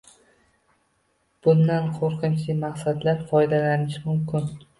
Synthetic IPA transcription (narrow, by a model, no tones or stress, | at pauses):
b̥ʊnd̪anqʰoɾqɨnt͡ʃʰlɪmaqsad̪laɾfɒjd̪alanɪʃmʊmkʲʰɪn